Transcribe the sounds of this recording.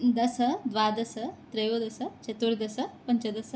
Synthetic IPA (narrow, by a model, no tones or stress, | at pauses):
d̪ɐsɐd̪ʋaːd̪ɐsɐt̪ɾɐjod̪ɐsɐt͡ʃɐt̪uɾd̪ɐsɐpɐnt͡ʃɐd̪ɐsɐ